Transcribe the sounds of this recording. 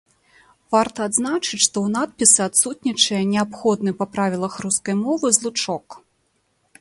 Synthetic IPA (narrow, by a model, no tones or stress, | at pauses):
vart̪ɐːd̪znat͡ʂɨt͡sʲʂt̪ɔwn̪at̪̚pʲisɨat̪sut̪nʲit͡ʂɐjɐnʲɛapxɔd̪nɨpɐpɾavʲilˠɐxruskɐjmɔvɨzlˠut͡ʂɔk